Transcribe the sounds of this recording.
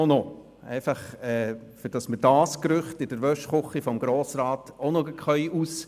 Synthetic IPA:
ono | ɛ̰ɪfɑχɛːfyɾd̥ɑsməɾdɑːskɾʏχtɪd̥əɾʋœʃχʊχifɔmɡɾoːsɾɑːtonoɡəkχœʏʔus

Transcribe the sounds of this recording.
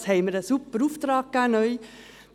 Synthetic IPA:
shɛɪməɾəsupːəɾuːft̪ɾɑːɡ̥̚kanœʏ

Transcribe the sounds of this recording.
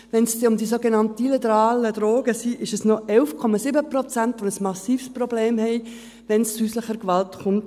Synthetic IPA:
ʋɛnsʊmd̪isoɡenɑntəilitəɾɑːləd̪ɾoːɡ̥əsiʔɪʃəsnɔɛlfkʰɔmɑsɪbəprɔt͡sæntʋonəsmɑsiːfsprɔbleːmɦɛɪ | ʋɛnst͡syːsləχəɾkʋɑltχʊnt

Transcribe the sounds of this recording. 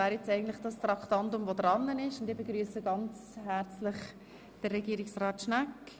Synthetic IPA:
æːɾjɛt͡sɛɪɡən̩tlɪχd̥ɑst̪rɑktɑndʊmvodɾɑnːənɪʃʊndɪːbeɡɾyːəsəɡɑnt͡shæɾt͡slɪχ | d̥ərːɛɡiːɾɪksrɑːtʃnak

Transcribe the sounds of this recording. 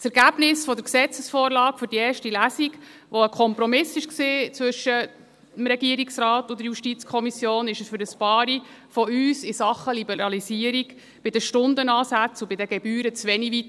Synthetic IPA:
t͡sɛɾɡæb̥nɪsfɔd̪əɾksɛt͡səsfɔːɾlɑːkfʏɾdiɛːɾʃtilæsiɡ | ʋɔəkʰɔmpɾɔmɪsɪʃksiːt͡sʋʏʃə | mɾɛɡiəɾiksrɑːt̪ʊd̥̪əɾjuʃtit͡skʰɔmisjoːnɪʃəsfʏɾəspɑːɾi | fɔyːsɪsɑχəlibɛɾɑlisiəɾik | b̥ɪd̥əʃtʊnd̪ənɑːsæt͡sʊbɪdəɡɛbyːɾət͡sʋɛnivit

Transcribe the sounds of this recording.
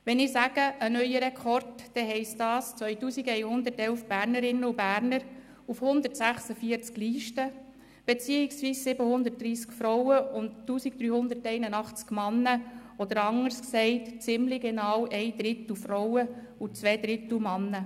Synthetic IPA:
ʋɛnɪsæɡ̥əʔənœjəɾɛkʰɔrtd̥ɛɦɛɪsdɑːst͡sʋœʏtuːsiɡɛɪnhʊnd̪əɾtɛlfb̥æːɾnəɾɪnəubæːɾnəɾ | ufhʊnd̪əɾtsæχsəfiəɾt͡skliːʃtə | b̥ɛt͡siːiksʋiːssɪbəhʊnd̪ət̚d̥ɾiːskfɾɔwəʊnttuːsikd̥ɾyːhʊnd̪ətɛɪnənɑχt͡skmɑnːəɔd̪əɾɑŋəɾsksɛɪtt͡sɪmlɪɡenɑːwʔɛɪd̪ɾɪt̪l̩fɾɔwə | ut͡sʋɛːd̥̪ɾɪt̪l̩mɑnːə

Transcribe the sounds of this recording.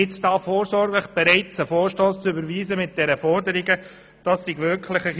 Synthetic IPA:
ɪt͡sd̥ɑːfoːɾsɔɾɡləχb̥ɛɾɛɪt͡səfoːɾʃtoːst͡sʏbəɾʋiːzəmɪt̚d̥ɛɾəfɔɾdəɾɪɡə | d̥ɑsːiɡʋʏɾkʰləχəχ

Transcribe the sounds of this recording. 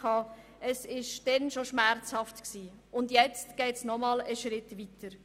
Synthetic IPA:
ɑː | əsɪʃd̥ɛnʃoʃmɛɾt͡shɑftksiː | ʊndjɛt͡stɡ̥ɛːtsnɔmɑːləʃɾɪtʋitəɾ

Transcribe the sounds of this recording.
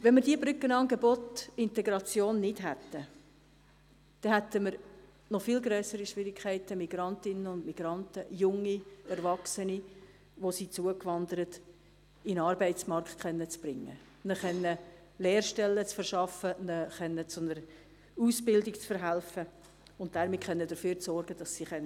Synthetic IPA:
ʋɛnməɾd̥iəbɾʏkːənɑːŋɡebotɪntɛɡɾɑt͡sjoːnːɪdɦæt̪ːə | d̥ɛhæt̪əməɾ | nɔfɪlɡɾœːsəɾiʃʋɪɾikʰχɛɪtəmiɡ̥ɾɑntɪnːəʊndmiɡ̥ɾɑntəjʊŋːiɛɾvɑksəni | ʋosiːt͡suəkʋɑnd̪əɾət | inɑːɾbɛɪtsmɑrkχtkʰχɛnːət͡sb̥ɾɪŋːə̰ | nəχɛnːə | leːrʃtɛlːət͡sfərʃɑfənəχɛnːət͡sʊnəɾ | uːsbɪldɪkt͡sfəɾɦælfə | ʊnt̚d̥aɾmitχɛnːədəføːɾt͡sɔrɡəd̥ɑsːiχɛn

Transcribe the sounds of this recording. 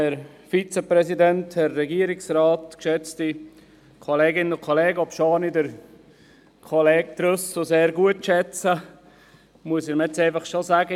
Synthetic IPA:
ɛɾ | fit͡səpɾɛsidɛnthɛrːɛɡiəɾɪksraːtkʃɛt͡sti | kʰoleːɡɪnənʊkʰoleːɡəɔpʃonidəɾ | kʰɔlɛːɡ̚t̪ɾʊssoseːɾɡuətʃɛt͡sə | muəsɪɾmɛt͡seɪfɐχʃozæːɡə

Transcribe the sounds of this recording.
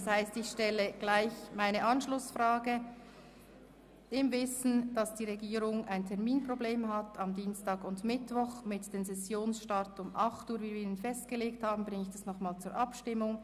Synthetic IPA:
shaɪstɪçʃtɛləɡ̥laɪçmaɪnəʔɑnʃlʊsfʁaːɡə | ɪmvɪsn̩d̥ɑsd̥iːʁeɡiːɾʊŋaɪntʰɛɐmiːnpʁ̥obleːmɦatɑmdiːnstaːɡʊntmɪtvɔχmɪtd̥eːmsɛsjoːnsʃtaɐtʊmʔɑχtuːɾviːinənfɛst̚ɡ̥əleːk̚thaːbm̩bʁɪŋəɪçd̥asnɔχmaːlt͡suːɐɾʔɑpʃtɪmːʊŋ

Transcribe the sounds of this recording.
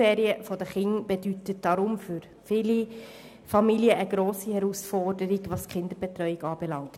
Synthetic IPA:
eːɾiəfɔdəχɪŋb̥ɛdytət̚d̥ɑɾʊmfʏɾ | fɪli | fɑmiljəʔəɡɾoːsihɛɾusfɔrdəɾiɡʋɑsχɪnd̪əɾb̥ɛt̪ɾœʏiɡɑːb̥ɛlɑŋt

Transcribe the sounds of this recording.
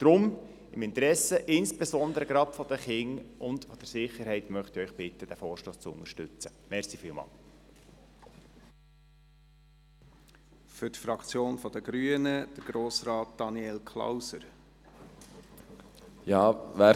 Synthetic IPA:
d̪̥ɾʊm | ɪmɪnt̪ɾɛsəʔɪnsb̥esɔnd̪əɾəɡɾɑːpfɔd̥̪əχɪŋʊnd̪fɔd̥əɾsɪχəɾɦɛɪtmœχt̪iœʏχb̥ɪt̪ːəd̥æfoːɾʃloːst͡sʊ̰nəʃtʏt͡səmɛɾsifiːlmɑ̰ːl | fʏɾtfɾɑkt͡sjoːnfɔd̥̪əɡ̥ɾyənəd̥əɾɡ̥ɾoːsɾɑːt̚d̥ɑniɛlkʰla̰wsəɾ | jɑːʋæː

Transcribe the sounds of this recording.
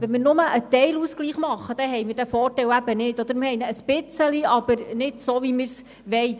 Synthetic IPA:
ʋɛnmɪːrnʊməʔət̪ɛɪluskliːχmɑχːəd̥̪ɛɦɛjmɪɾd̥æfɔːrtɛwæb̥ənɪdɔd̪əɾmɪɾhɛɪnəəspɪt͡səliɑb̥əɾnɪdsoːvimɪɾs | ʋɛj

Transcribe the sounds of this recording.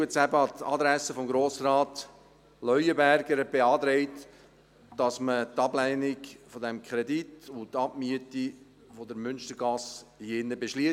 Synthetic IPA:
əsæbəɑtɑ̰d̪ɾæsəfɔmɡɾoːsrɑːt | lœʏəbæɾɡəɾəbeɑːd̪ɾeɪt | d̥ɑsmətɑblæɪnɪkfɔdɛmkʰɾɛditʊntːɑbmyəti | fɔdəɾmʏnʃtəɾɡɑshiɪnːəbeʃli

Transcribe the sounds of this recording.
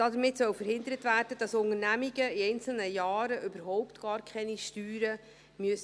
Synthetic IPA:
d̥ɑdəɾmɪtsœwfəɾɦhɪndəɾətvæːrd̥əd̥ɑsʊŋəɾnæmiɡəiɛɪnt͡sl̩nəjɑːɾəʔʏbəɾɦɔʊptɡ̥ɑːɾkʰχɛniʃtyːɾə | myəs

